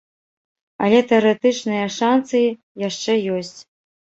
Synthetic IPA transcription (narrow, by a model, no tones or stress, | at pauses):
ɐ̰lʲɛt̪ɛɐɾɨt̪ɨt͡ʂnɨjɐʂansɨji | jaʂt͡ʂɛjɔsʲt͡sʲ